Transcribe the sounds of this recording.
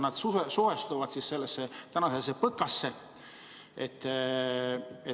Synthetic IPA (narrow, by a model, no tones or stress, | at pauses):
nɑd̪̥suɦesuɦest̪uvɑd̪sisse̞lːesːet̪ænɑses̬epɤkːˑɑsːe̞ | et̪ː | e